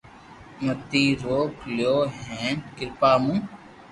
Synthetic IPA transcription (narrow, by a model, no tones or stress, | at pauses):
mət̪iːɾoːkljoːɦẽːkɪɾpaːmũː